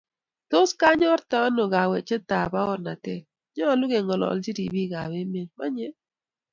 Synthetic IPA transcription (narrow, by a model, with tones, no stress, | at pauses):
tʊ˦ska˦ɲɔ˦ɾta˦nɔ˨ɡa˨wɛ˨t͡ʃɛ˦ta˨ba˦ɔ˦ɾna˨tɛ˦˨ | ɲɔ˦˨lʊ˦ɡe˨ŋɔ˨lɔ̰˨ld͡ʒi˦di˨bi˦˨ɡa˨we˦me˨nma˦ɲɛ˦